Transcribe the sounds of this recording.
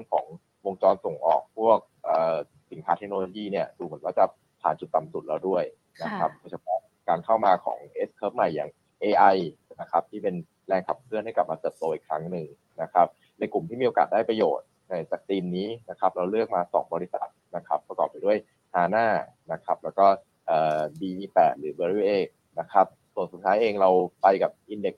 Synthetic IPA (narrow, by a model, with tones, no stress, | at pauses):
ɯ˥˩əŋkʰɔ̰ː˩˦ŋ | wo˧ŋt͡ɕɔː˧nso˨˩ŋʔɔ̰ː˨˩k̚pʰu˥˩ək̚ʔəː˨˩ | si˨˩˦nkʰaː˦˥t̪ʰe˦˥k̚noː˧loː˧jiː˥˩ni˥˩ɐdu˧˩mɯ˨˩˦ənwaː˥˩t͡ɕa˨˩ | pʰa̰ː˨˩˦nt͡ɕu˨˩t̪ːa˨˩msu˨˩t̪̚lɛ˦˥wdu˥˩əj | na˦˥kʰa˦˥p̚nɯ˧sʰa˧˩pʰɔ˦˥ | kaː˧nkʰa˥˩wmaː˧kʰɔ̰ː˩˦ŋʔe˦˥skʰɤː˦˥p̚ma˨˩jːa̰ː˨˩ŋ | ʔeː˧ʔa˧j | na˦˥kʰa˦˥p̚t̪ʰiː˥˩pe˧n | lɛː˧ŋkʰa˨˩p̚kʰɯ˥˩ənha˥˩jkla˨˩p̚maː˧t̪ɤː˨˩p̚t̪oː˧ʔi˨˩kʰɾa˦˥ŋnɯ˨˩ŋ | na˦˥kʰɾa˦˥p̚ | na˧jklu˨˩mt̪ʰiː˥˩miː˧ʔo˧kaː˨˩t̪̚daː˥˩jpɾa˧joː˨˩t̪̚ | na˧jt͡ɕa˨˩k̚t̪iː˧nːiː˦˥na˦˥kʰa˦˥p̚ɾa˧wlɯ˥˩ək̚maː˧sɔ̰ː˩˦ŋbɔː˧ɾi˦˥sa̰˨˩t̪̚na˦˥kʰa˦˥pːɾa˧kɔː˨˩p̚a˧jdu˥˩əj | haː˧˩naː˥˩na˦˥kʰa˦˥p̚lɛː˦˥wkɔː˥˩ | ʔəː˨˩biː˧pɛː˨˩t̪̚ɾɯː˩˦bəː˧ɾi˦˥ʔeː˧˩ | na˦˥kʰa˦˥p̚su˨˩ənsu˨˩t̪ʰaː˦˥jʔeː˧ŋɾa˧wpa˧jka˨˩p̚ʔi˧nde˦˩k̚